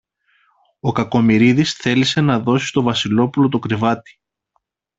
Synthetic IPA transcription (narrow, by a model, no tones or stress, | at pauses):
o̞kɐko̞miɾiðisθe̞lise̞nɐðo̞si̥st̪o̞vɐsilo̞pulo̞t̪o̞kɾivɐt̪i̥